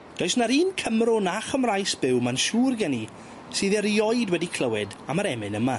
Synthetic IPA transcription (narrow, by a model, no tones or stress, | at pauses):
d̥ɔjsnaɾiːnkʰəmrʊnaχəmrajsb̥ɪwmanʃuːrɡɛni | sɨːðɛɾiɔjdwɛdikʰl̥əwɪdamaɾɛmɪnəma